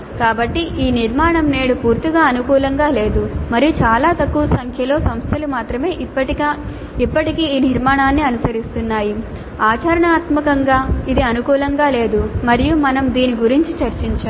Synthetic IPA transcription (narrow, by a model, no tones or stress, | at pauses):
kaːbɐʈːiʔiːniɾmaːɳɐmneːɽupuːɾt̪iɡaːɐnukuːlɐŋɡaːle̞ːd̪umɐɾijut͡ʃaːlaːt̪ɐkːuʋɐsɐŋkʰjɐlo̞ːsɐmst̪ʰɐlumaːt̪ɾɐme̞ːpːɐʈi | ipːɐʈikiːniɾmaːɳaːnːiɐnusɐɾist̪unːaːji | aːt͡ʃɐɾɐɳaːt̪mɐkɐŋɡaːid̪iɐnukuːlɐŋɡaːle̞ːd̪umɐɾijumɐnɐmd̪iːniɡuɾiɲt͡ʃit͡ʃɐɾt͡ʃiɲt͡ʃaː